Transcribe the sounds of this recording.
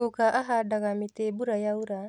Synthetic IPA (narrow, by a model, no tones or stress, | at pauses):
ukaʔaɦadaɣamitebuɾajauɾa